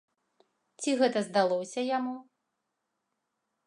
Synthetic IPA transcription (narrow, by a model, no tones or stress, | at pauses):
t͡sʲiɣɛt̪ɐzd̪alˠɔwsʲɐjamu